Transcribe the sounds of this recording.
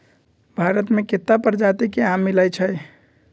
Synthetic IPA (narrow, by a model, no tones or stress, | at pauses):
bʱaɾət̪meket̪ːapəɾd͡ʒat̪ikeamːilajt͡ʃʰəj